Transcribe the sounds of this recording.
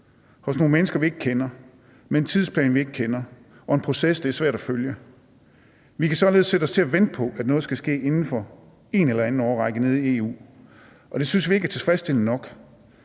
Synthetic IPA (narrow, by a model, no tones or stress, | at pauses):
hɔ̽sno̝ːnmenəsɡ̥ɐʋie̝ɡ̥̚kʰenɐ | ment͡sʰið̞ˠspʰlɛ̰ːnʋie̝ɡ̥əkʰenɐ | ʔɒ̽e̝npʰʁo̝sesd̥eɐsʋæɐ̰ɾ̥æføljə | ʋikʰæsɒ̽le̝ðˠsed̥ɒ̽st͡sʰe̝æʋen̰d̥̚pʰɒ̽ʔæd̥nɔ̽ːðˠsɡ̥æsɡ̥e̝̰ːe̝nn̩fɒ̽ | e̝nelɐæn̩ɒːʁɑ̈ɡ̥əne̝ð̞ˠie̝ːṵː | ʔɒ̽d̥e̝synsʋie̝ɡ̥æɐt͡sʰe̝fʁɛsd̥e̝l̰̩nɒ̽ɡ̥